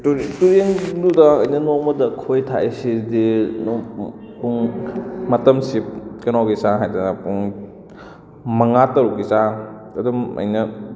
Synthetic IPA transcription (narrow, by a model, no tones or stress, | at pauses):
tuɾienludɐɐjnɐnomɐdɐkʰojtʰa̰ʔesidin | puŋmɐtɐmsikɐnawɡisaɦajdɐnɐpuŋ | mɐŋatɐɾukisa | ɐdumɐ̰jnɐ